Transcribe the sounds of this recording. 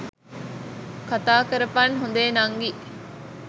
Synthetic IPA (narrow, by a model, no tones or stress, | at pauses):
kat̪aːkɐɾɐfaːnɦund̪eːnɐŋɡi